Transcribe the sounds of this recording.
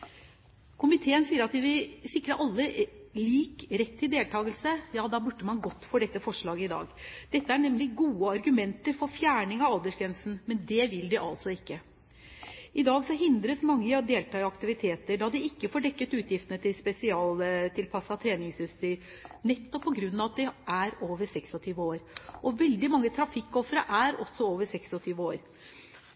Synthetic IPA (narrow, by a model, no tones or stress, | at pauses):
kʰʊmɪt̪ʰeːənsiːəɾɑt̪ɛʋɪsɪkɾəʔɑlːəliːkɾɛt̪ʰːɪld̪eːlt̪ʰɑːɡəlsəjɑːd̪ɑːbʉɖːəmɑnɡɔt̪ːfoːɖɛt̪ːəfɔʂɭɑːɡəɪd̪ɑ̰ːɡd̪̥ɛt̪ːəæɳɛmlɪɡuːəɑɾɡʉmɛnt̪əɾfɔɾfjæːɳɪŋɑʋɑld̪əʂɡɾɛnsn̩mɛnd̪ɛʋɪld̪ɪʔɑ̰lsɔɪkːə | ɪd̪ɑːɡsɔɦɪnd̪ɾəsmɑŋːəɑd̪eːlt̪ʰɑːɪɑkt̪ɪʋɪt̪ʰeːt̪əɖɑd̪ɪɪkːəfoːɖɛkːət̪ʉːt̪jɪft̪ənət̪ɪlspɛsɪɑːlt̪ʰɪlpʰɑsːɑt̪ʰɾeːnɪŋsjʉst̪yːɾ | nɛt̪ːɔpʰːɔɡɾʉnːɑʋɑt̪̚d̪ɛʔæɾoːʋəsɛksɔt̪ʰyːʋəoːɾʔɔʋɛld̪ɪmɑŋːət̪ʰɾɑfɪkːɔfɾəʔæɾɔ̰sːɔoːʋəʂɛksɔt̪ʰyːʋəoːɾ